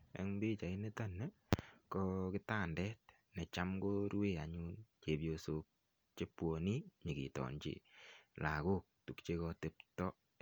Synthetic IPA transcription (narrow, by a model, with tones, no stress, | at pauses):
ḛ˦ŋmbi˦t͡ʃa˨i˦ne˦ta˦nɛ˦ | kɔ˦kɪ˦ta˦˨ndɛ˦t̚ | nɛ˨t͡ʃa˦mɡoɾu˦e˦a˨ɲu˦nt͡ʃe˨bjoso˦k̚ | t͡ʃe˦pwo˨ni˦ɲi˨ɡḭ˨tɔ̰˨nt͡ʃḛ˨la˨ko˦k̚tu˨kt͡ʃe˦kɔ˧te˦ptɔ˦